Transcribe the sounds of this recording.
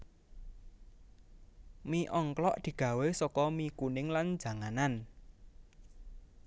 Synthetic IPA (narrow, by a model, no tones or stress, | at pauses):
miʔɔŋklɔʔd̪̥i̤ɡ̥ä̤wesɔkɔmikunɪŋland͡ʒ̥ä̤ŋanan